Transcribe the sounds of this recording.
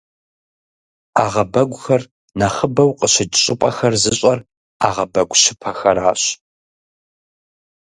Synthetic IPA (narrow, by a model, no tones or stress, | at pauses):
aːʁɐbɐɡʷʊxɐr | nɐχəbɐwqʼəɕɐt͡ʃʼɕʼɪpʼɐxɐrzɨɕʼɐr | aːʁɐbɐɡʷɕɪpʰɐxɐɾaːɕ